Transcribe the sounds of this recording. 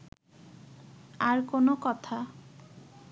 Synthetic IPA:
aɾkonokɔt̪ʰa

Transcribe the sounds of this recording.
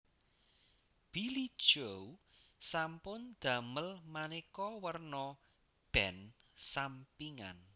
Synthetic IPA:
b̥ilid̥ʒ̥ow | sampʊnd̪̥ä̤məlmanekɔwərnɔ | b̥ɛnsampiŋa̰n

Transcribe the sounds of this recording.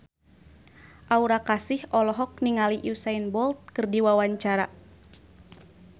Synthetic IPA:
ʔauɾakasihɔlɔɦɔk̚niŋaliʔusainbɔlt̪̚kɨrdiwawaɲt͡ʃaɾa

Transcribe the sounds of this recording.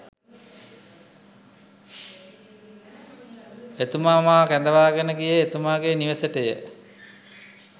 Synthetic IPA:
et̪umaːmaːkænd̪əʋaːɡənəkijəet̪umaːɡeniʋəsəʈəjə̰

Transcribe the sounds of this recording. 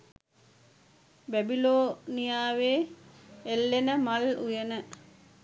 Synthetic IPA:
bæbiloːnijaːʋeː | elːenəmalujenə

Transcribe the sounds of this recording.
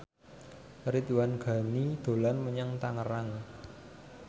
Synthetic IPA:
ɾit̪wanɡ̥ä̤nid̪̥o̤lanməɲaŋt̪aŋəɾaŋ

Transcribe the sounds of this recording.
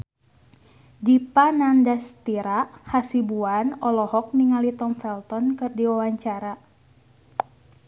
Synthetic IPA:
dipanandast̪iɾaʔhasibuanɔlɔhɔk̚niŋalit̪ɔmfɛlt̪ɔnkɨrdiwawaɲt͡ʃaɾa

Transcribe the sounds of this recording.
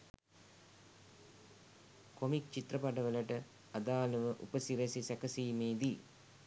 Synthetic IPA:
komik̚t͡ʃit̪ɾɐpɐʈɐʋəlɐʈə | ɐd̪aːlɐʋəʔupɐsiɾesisɛkɐsiːmeːd̪i

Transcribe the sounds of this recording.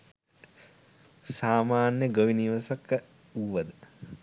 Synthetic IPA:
saːmaːnjəɡoʋiniʋɐsakːə | uʋʋɐd̪ə

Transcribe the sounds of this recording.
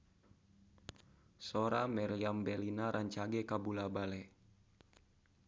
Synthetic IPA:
soɾamɛɾiambɛlinaɾʔaɲt͡ʃaɡɛkabulabalɛ

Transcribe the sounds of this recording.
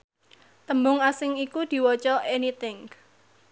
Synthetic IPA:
t̪əmbʊŋasɪŋikud̪̥i̤wɔt͡ʃɔʔɛnit̪ɪŋ

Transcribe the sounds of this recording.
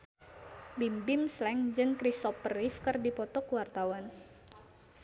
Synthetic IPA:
bimbɪmslɛŋd͡ʒɨŋkɾist̪ɔpərɪfkɨrdipɔt̪ɔkwart̪awan

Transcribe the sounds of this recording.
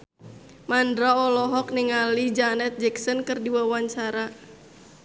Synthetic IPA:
mandɾaɔlɔɦɔk̚niŋalid͡ʒanɛt̪̚d͡ʒɛksɔnkɨrdiwawaɲt͡ʃaɾa

